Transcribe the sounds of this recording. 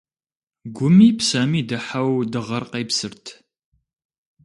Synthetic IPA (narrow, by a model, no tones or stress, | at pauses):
ɡʷʊmiːpsɐmiːdɨħawdɨʁɐrqejpsɨrtʰ